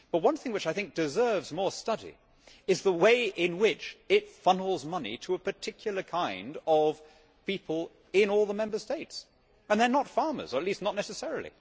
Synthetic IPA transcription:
b̥ʌt̚wʌ̃nθɪ̃ŋwɨt͡ʃaɪθɪ̃ŋk̚d̥ɨzɜ˞vzmɔɹstʌɾḭ | ɨzðəweɪʔɪ̃nwɪt͡ʃɪtfʌ̃nl̩ˠzmʌnḭɾʰəːpə˞tʰɪkʰjl̩ˠə˞kʰãɪ̃ndʌv̥ | pipʰəl̩ˠ | ɪ̃nɔlˠðəmɛ̃mbə˞steɪts | ə̃nðə˞nətfɑɹmə̰˞zə˞ətˡlistⁿnətⁿnɛsɨsɛɹl̩ˠḭ

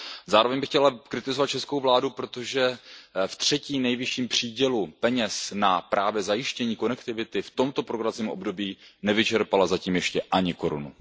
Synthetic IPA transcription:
zaːɾo̞vɛɲbɪxcɛlakɾɪt̪ɪzovat̪̚t͡ʃɛsko̞wvlaːdupɾo̞t̪o̞ʒɛft̪r̝̥ɛciːmnɛjvɪʃiːmpr̝̥iːɟɛlupɛɲɛsnapɾaːvjɛzajɪʃcɛɲiːko̞nɛkt̪ɪvɪt̪ɪft̪o̞mt̪o̞pɾoɡɾat͡siːmʔobdo̞biːnɛvɪt͡ʃɛɾpalazaciːmjɛʃcɛʔaɲɪko̞ɾṵnṵ

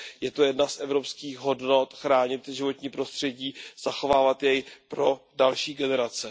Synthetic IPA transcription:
jɛt̪o̞jɛdnasʔɛvɾo̞pskiːxɦo̞dno̞t̪xɾaːɲɪt̪ʒɪvo̞t̪ɲiːpɾo̞st̪r̥ɛɟiːz̥axo̞vaːvat̪jɛjpɾo̞dalʃiːɡɛnɛɾat͡sɛ

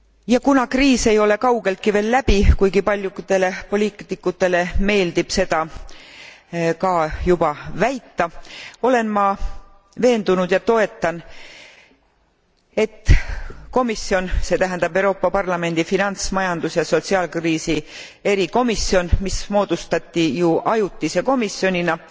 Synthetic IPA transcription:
jɑkunɑkriːse̞jo̞le̞kɑwɡ̥e̞lt̪̚kive̞ːlːæb̥ikujɡ̥ipɑlʲjukt̪e̞le̞po̞lʲiːkt̪ikːˑut̪ːˑe̞le̞me̞ːld̪ib̥se̞d̪̥ɑ | kɑːjub̥ɑvæjt̪ːɑo̞le̞nmɑ | ve̞ːnd̪̥unud̪̥jɑt̪o̞e̞t̪ˑːɑn | e̞t̪ːˑko̞misːjo̞nse̞t̪æɦænd̪̥ɑbewɾo̞ːpːˑɑpɑrlɑme̞nd̪̥ifinɑnt̪smɑjɑnd̪̥usjɑso̞t̪siɑːlkriːsi | e̞ɾiko̞misːio̞nmismo̞ːd̪̥ust̪ɑt̪ːijuʔɑjut̪ːise̞ko̞misjo̞nʲinɑ

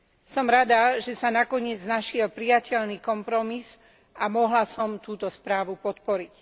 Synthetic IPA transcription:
sɔmɾad̪aʒɛsanakɔɲɪɛd͡znaʃɪɛlpɾijacɛʎniːkɔmpɾɔmis | ʔamɔɦlasɔmt̪uːt̪ɔspɾaːʋupɔt̪pɔɾic

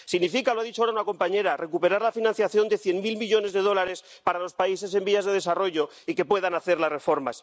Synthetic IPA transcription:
siɣnifikaloaðit͡ʃoaaunako̞mpaɲe̞ɾare̞kupe̞ɾaɾlafinãnθjaθjo̞nd̪e̞θje̞nmilmiʎo̞ne̞zðe̞ð̞o̞laɾe̞s | paɾalo̞spaise̞s̬e̞mbiazðe̞ðe̞saro̞ʝo | ike̞pwe̞ðanaθe̞ɾlasre̞fo̞ɾma̰s

